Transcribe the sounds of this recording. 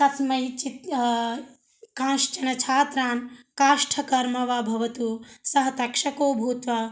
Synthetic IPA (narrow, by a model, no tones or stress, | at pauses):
t̪ɐsmɐjit͡ʃit̪ | kãːʃt͡ʃɐnɐt͡ʃʰaːt̪ɾaːnkaːʂʈʰɐkɐɾmɐʋɐbʱɐʋɐt̪uːsɐɦɐt̪ɐkʂɐkoːbʱuːt̪ʋɐ